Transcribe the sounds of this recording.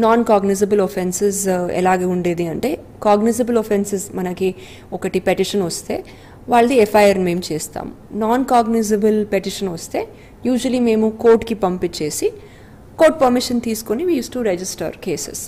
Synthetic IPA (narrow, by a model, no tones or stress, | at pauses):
naːnkaːɡniz̬ɐbɐlopʰensesɛ̰laːɡeːuɳɖeːd̪iɐɳʈe̞ː | kaːɡnizɐbɐlopʰensesmɐnɐki | ɔkɐʈipeʈiʂɐnʋɐst̪e̞ː | ʋaːɭːɐd̪iepʰɐjɐɾnme̞ːmut͡ʃeːst̪a̰ːm | naːnkaːɡnizɐbɐlpeʈiʂɐnʋɐst̪e̞ː | juːd͡ʒʋɐlime̞ːmukoːɾʈkipɐmpit͡ʃe̞ːsi | koːɾʈ̚pɐɾmiʂɐnt̪iːsu̥koniʋiːjuːsʈuɾed͡ʒisʈɐ̰ɾkeːsḛs